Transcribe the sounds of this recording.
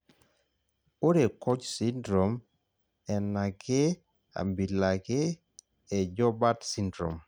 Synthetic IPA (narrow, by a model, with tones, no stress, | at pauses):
o˦ɾe˨kɔ˦t͡ʃsi˦ndɾɔ˨m | ɛ˨na˨ɡe˦ | a̰˨mbi˨la˨ɡeː˦˨ | d͡ʒɔ˦ba˦tsi˦ndɾo˨m